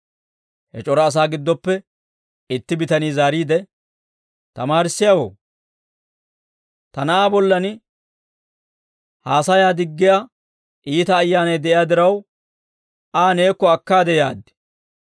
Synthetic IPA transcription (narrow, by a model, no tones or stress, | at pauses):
hɛ̰t͡ʃʼɔɾɐːs̬aːɡɪd̪ːɔpːɛ | ɪt̪ːɪbɪt̪ɐniːzaːɾiːd̪ɛ | t̪ɐmaːɾɪsːɪjawo̰ː | t̪ɐnɐʔaːbɔlːɐnɪ | haːsɐjaːd̪ɪɡːɪja | ʔiːt̪ɐːjːaːnɐjd̪ɛʔɪjaːd̪ɪɾɐw | ʔaːne̞ːkːɔɐkːaːd̪ɛjaːd̪ːɪ̥